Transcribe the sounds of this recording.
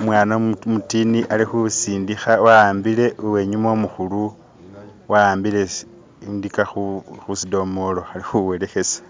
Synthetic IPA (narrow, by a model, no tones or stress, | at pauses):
mwaːnamutiniʔalixusiːndixawaaːmbile̞uwe̞ɲumomuxulu | waaːmbile̞ | ndikaxuxusido̞mo̞lo̞alixuwe̞le̞xe̞sḁ